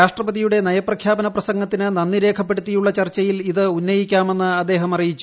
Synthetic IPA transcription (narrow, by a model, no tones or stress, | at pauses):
aːʂʈrɐbɐðijuɽe̞nɐjɐprɐkʰjaːbɐnɐprɐsɐŋɡɐt̪ːinɨnɐnːiɾe̞ːkʰɐp̬ːe̞ɽut̪ːijuɭːɐt͡ɕɐrt͡ɕːɐjiliðɨunːɐjikʲːaːme̞nːɨɐd̪ːe̞ːɦɐmɐrijit͡ɕːu